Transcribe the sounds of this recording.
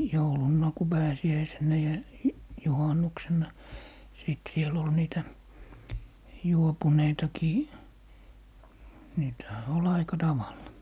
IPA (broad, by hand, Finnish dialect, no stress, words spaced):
joulunːɑˑ ku pæːsiæisenˑæ jɑ juhɑnːuksenːɑ siˑt siel ol niːtæ juopuneitɑkiː niːtæ̆hæ ol ɑikɑ tɑʋɑlˑɑ